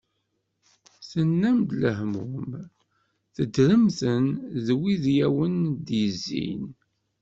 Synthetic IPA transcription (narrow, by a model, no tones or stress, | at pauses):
sənːæmd̪ləhmʊm | θəd̪ɾəmθənðwiðjæwənd̪jəzːḭn